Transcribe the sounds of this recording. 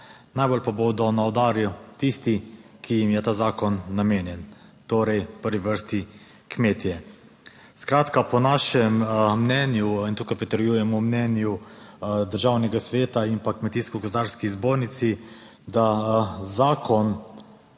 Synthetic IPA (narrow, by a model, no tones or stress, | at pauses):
najbolpabod̪ɔnaɔd̪aːɾjut̪ist̪i | kʰijimjɛt̪aːzaːkɔnːameːnjɛnt̪oːɾɛjpəɾʋiʋəɾst̪i | kmeːt̪jɛ | skɾaːt̪kapɔnaʃɛmːnɛːnjuint̪uːkajpɾɛt̪əɾjuːjɛmɔmnɛːnju | d̪əɾʒaːwnɛɡasʋeːt̪aimpakmɛt̪iːskɔɡɔzd̪aːɾskizboːɾnit̪si | d̪azaːkʰɔn